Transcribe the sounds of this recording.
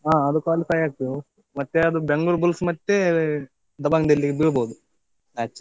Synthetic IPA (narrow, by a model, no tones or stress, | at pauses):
aːɐd̪ukaːlusɐjaːk̚t̪ | mɐt̪ːeɐd̪ubeŋɡuɭbulsmɐt̪ːe | d̪ɐbaŋd̪elːikbiɭboːd̪u | ɐtːt͡ʃːɐ